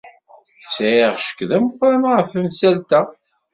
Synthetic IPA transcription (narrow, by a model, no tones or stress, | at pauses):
sjiʁʃə̥kðæmqʷːɾæmʁəfəmsælt̪æ